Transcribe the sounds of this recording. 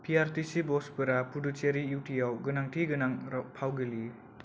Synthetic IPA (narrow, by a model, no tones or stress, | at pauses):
pʰiaɾtisibɔspɯɾapʰudut͡ʃeɾiuwtʰijawɡɯnaŋtʰiɡɯnaŋpʰawɡɯli